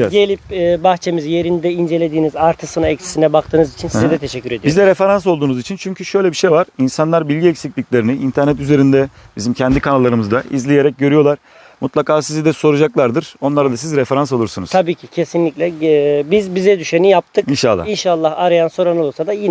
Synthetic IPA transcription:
ɟelʲipːbaxt͡ʃʰe̞mizje̞ɾind̪ɛind͡ʒe̞lʲe̞d̪iːnizaɾt̪ʰɯsɯnaɛcsi̥sinɛbakt̪ʰɯːnɯzit͡ʃʰinsizɛd̪ɛt̪ʰeʃɛcʲːyɾed̪ijbizd̪ɛɾefeɾans̬o̞lˠd̪uːnuzit͡ʃʰint͡ʃʰyɲcʰyʃø̞jlʲebiʃejvaɾ̥insanlˠaɾbilʲɟiɛcsiclʲicʲlʲe̞ɾiniʔint̪ʰæɾnɛt̪yze̞ɾind̪ɛbizimcʰɛnd̪ikʰanalˠːaɾɯmɯzd̪aizlʲije̞ɾɛc̚ɟø̞ɾyjo̞lˠaɾ̥ | mut̪lˠakʰaːsizid̪ɛso̞ɾud͡ʒaklˠaɾd̪ɯɾ̥o̞nlˠaɾad̪asizɾefe̞ɾans̬o̞lˠuɾsunuzt̪ʰabiːcʰicʰe̞sinlʲiclʲɛbizbizɛd̪yʃenijap̚t̪ʰɯkinʃa̰lˠːainʃalˠːahaɾajanso̞ɾonolˠsad̪ajin

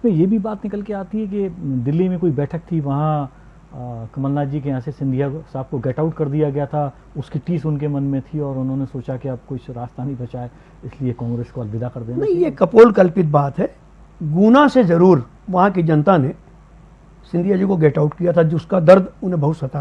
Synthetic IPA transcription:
ɪsmẽjebʱibaːt̪nɪkəlkeaːt̪iɦɛkid̪ɪlːimẽkoːibɛːʈʰək̚t̪ʰiʋɐɦã | kɐməlnaːd͡ʒikeãːsesɪ̃nd̪ʱijasaːb̚koɡɛːʈaːʊʈkɐɾd̪ijaɡɐjat̪ʰa | ʊskiʈiːsʊnkemɐnmẽt̪ʰiɔːɾʊnɦõnesoːt͡ʃakiab̚kʊt͡ʃʰɾaːst̪anɐĩbɐt͡ʃaːe | ɪsliekãːŋɡɾeːskoɐlʋɪd̪ʱakɐɾd̪eːnnɐɦĩjekɐpoːlkɐlpɪt̪̚baːt̪ɦɛː | ɡuːnasezɐɾuːɾ | ʋɐɦãkid͡ʒɐnt̪ane | sɪ̃nd̪ʱijad͡ʒikoɡɛːʈaʊʈkijat̪ʰad͡ʒʊskad̪ɐɾd̪ʊnɦẽbɐɦʊt̪sɐt̪a

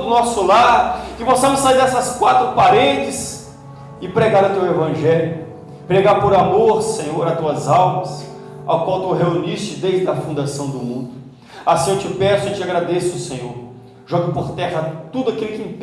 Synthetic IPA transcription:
d̪ʊnɔsʊlakɪpɔsɐ̃mʊsaziɾɛsɐskwat̪ɾʊpaɾẽd͡ʒɪs | ɪpɾeɡaɾʊt̪ewevɐ̃ʒɛljʊ | pɾeɡaɾpoɾamoɾsẽɲoɾat̪uɐzawmɐs | a̰wkwawt̪uɦeunist͡ʃɪd̪ejʒd̪ɐfũnd̪asɐ̃w̃d̪ʊmũd̪ʊ | asĩewt͡ʃɪpɛsʊɪt͡ʃɪaɡɾad̪esʊsẽɲoɾ | ʒɔɡɪpoɾt̪ɛɦɐt̪ud̪ʊakilʊkɪĩp

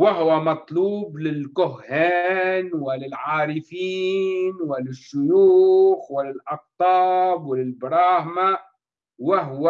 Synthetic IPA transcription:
wɪɦʊwamɑt̪ˤluːblɪlkʊhːaːnwɪlɪlʕaːɾɪfiːnwɪlːɪʃːʊjuːxwɪlɪlʔɑq̚t̪ˤɑːbwɪlɪlbɾˤɑːhma | wɪɦwa

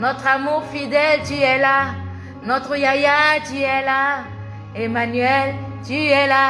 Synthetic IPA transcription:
nɔt̪χamuʁfid̪ɛltiɛla | nɔt̪ʁəjajatiɛla | emanɥɛl | tiɛla

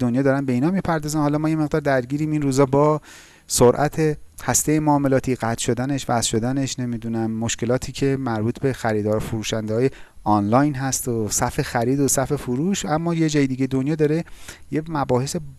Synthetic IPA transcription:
onjɒːd̪ɒːɾænbe̞iːnɒːmipʰæɾd̪ɒːzænhɒːlɒmɒːjemeɣd̪ɒːɾd̪æɾɟiːɾiːminruːzɒːbɒː | soɾʔæt̪ʰe̞hæst̪ejemoːme̞lɒːt̪ʰiːɢæt̪ʰʃo̞d̪æne̞ʃvæsʃo̞d̪æne̞ʃne̞mid̪uːnæmːo̞ʃke̞lɒːt̪ʰiːcʰe̞mæɾbuːt̪ʰbe̞xæɾiːd̪ɒːɾofuɾuːʃænd̪eɒːjeɒnlɒjnɦæst̪osæfe̞xæɾiːd̪osæfe̞fuɾuʃæmːɒːjed͡ʒɒːjed̪iɟed̪onjɒːd̪ɒːɾe̞jemæbɒːhe̞se̞

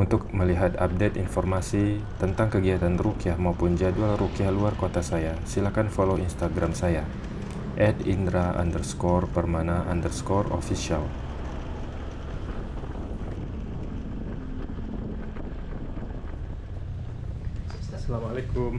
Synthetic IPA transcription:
unt̪ʊk̚məliɦat̪a̰p̚det̪infɔrmasit̪ənt̪aŋkəɡiat̪anrukiahmaupʊnd͡ʒadualrukiahluarkot̪asajasilakanfoloinst̪aɡɾamsaja | ʔɛdindɾaa̰ndərskɔrpərmanaʔandərskɔro̰fisial | lekum

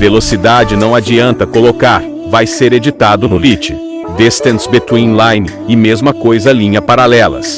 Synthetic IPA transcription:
velosid̪ad͡ʒɪnɐ̃w̃ad͡ʒiɐ̃nt̪ɐkolokaɾ | vajseɾed͡ʒit̪ad̪ʊnʊlit͡ʃɪ̥ | d̪est̪ẽnt̪sbet̪wĩlãjnɪ | ɪmezmɐkojzɐlĩɲɐpaɾalɛlɐ̰s

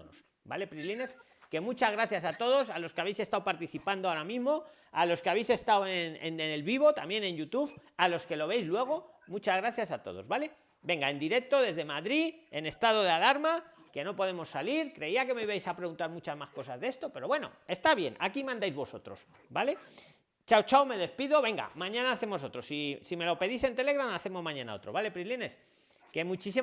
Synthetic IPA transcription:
no̰s | bale̞pɾiline̞s | ke̞mũt͡ʃazɣɾaθjasat̪o̞ð̞o̞salo̞skeaβe̞jse̞st̪awpaɾt̪iθipand̪oaoɾamĩzmo̞ | alo̞skeaβ̞e̞jse̞st̪awenḛnenelβiβo̞t̪amje̞nẽ̞njut̪uβalo̞ske̞lo̞β̞ejzlwe̞ɣ̞o̞ | mũt͡ʃazɣɾaθjasat̪o̞̰ð̞o̞̰zβale̞ | be̞ŋɡae̞nd̪iɾe̞k̚t̪o̞ðe̞zðe̞maðɾiene̞st̪að̞o̞ð̞ealaɾmake̞no̞po̞ð̞e̞mo̞sːaliɾkɾe̞iake̞me̞iβajsapɾe̞ɣunt̪aɾmut͡ʃazmasko̞sazðe̞st̪o̞pe̞ɾo̞βwe̞no̞̰e̞st̪aβje̞̰na̰kimãnd̪ajzβo̞so̞t̪ɾo̞̰s | bale̞ | t͡ʃawt͡ʃawme̞ðe̞spiðo̞βe̞ŋɡa̰mãɲãnaːθe̞mo̞so̞t̪ɾo̞sisime̞lo̞pe̞ðise̞nt̪e̞le̞ɣɾanaθe̞mo̞zmãɲãna̰ot̪ɾo̞̰βale̞pɾiline̞s | ke̞mut͡ʃis̬i

